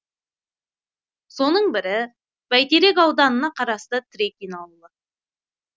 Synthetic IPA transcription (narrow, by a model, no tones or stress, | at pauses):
so̞nəɴbɪɾɪ | b̥æjt̪eɾe̞kɑwd̪ɑnənɑqʰɑɾɑst̪ət̪ʰɾekʲinɑlˠːə